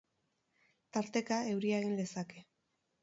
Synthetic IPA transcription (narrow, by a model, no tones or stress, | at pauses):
t̪aɾt̪e̞kae̞wɾiaɣind̪e̞sake̞